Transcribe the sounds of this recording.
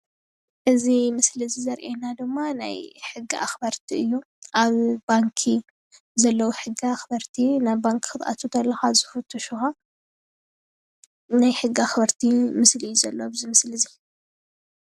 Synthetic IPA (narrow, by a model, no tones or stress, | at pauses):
ʔɨzimɨslɨzizɐɾʔenad̪ɨmːana̰jħɨɡːiʔa̰xbɐɾt̪ʰiɨjːu | ʔaβbaŋkʰi | zɐlːɐwuħɨɡːiaxbɐɾt̪ʰinaβbaŋkʰxɨt̪ʔa̰t̪ʰut̪ʰɐlːɐxazɨfɨt̪ʰːuʃuxa | najħɨɡːiaxbɐɾt̪ʰimɨslizɐlːobɨzimɨslɨzi